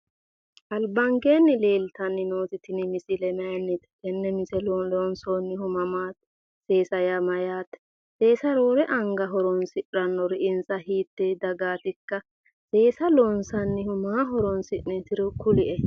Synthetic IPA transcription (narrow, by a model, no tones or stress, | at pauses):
ʔɐlbɐŋɡe̞ːnːɪleːlt̪ɐnːɪnoːt̪ɪt̪ɪnɪmɪsɪlɛmɐjɐnːɪt̪ɛ̥ɛnːɛmɪsɛlloːnsoːnːɪhʊmɐmaːt̪ | se̞ːsɐjɐmɐjaːt̪ | se̞ːsɐɾoːɾɛʔɐŋɡɐɦɔɾɔnsɪᶑɾɐnːɔɾɪʔɪnsɐhiːt̪ːɛd̪ɐɡaːt̪ɪkːɐ | seːsɐloːnsɐnːɪhʊmaːɦɔɾɔnsɪʔnɛt̪ɪɾɔkʊlɪʔɛ